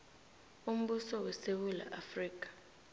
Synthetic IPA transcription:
um̩ɓusɔwɛsewula̰ʔafriːk̬ʼḁ

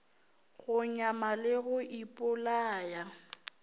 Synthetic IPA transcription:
ɣʊɲamalɪɣʊʔipʼʊlaːja

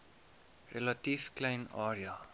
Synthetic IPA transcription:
relɐtiːfklɛjnɑːɾiɑ

